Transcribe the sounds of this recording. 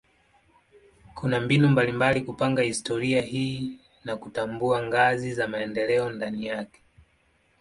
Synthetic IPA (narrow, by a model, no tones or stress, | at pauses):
kʰunambinumbalimbalikupaŋɡahistɔɾiahiː | nakutambuaŋɡazizamaɛndɛlɛɔndanijakɛ̥